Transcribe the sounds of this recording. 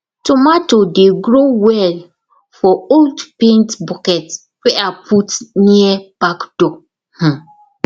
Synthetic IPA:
tʰʊmatodeɡɾowɛl | fɔoldpẽntbɔkɛt | wɛapʰutnĩɛb̥akd̥ɔ | h̩

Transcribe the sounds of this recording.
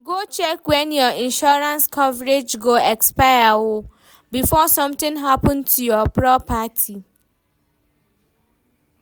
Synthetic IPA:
ɡot͡ʃɛkwɛ̃njɔĩnʃɔɾãnskʰɔvɾed͡ʒɡoɛkspaɪawʊ | bifɔsʌ̃mt̪ɪ̃ŋɦapɔ̃ntʰujɔpɹɔpatʰi

